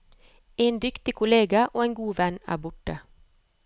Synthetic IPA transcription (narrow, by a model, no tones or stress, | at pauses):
eːnd̪ʏkt̪ɪkʰʊleːɡɑʔoːeːŋɡuːʋɛnæ̰ːbʊʈə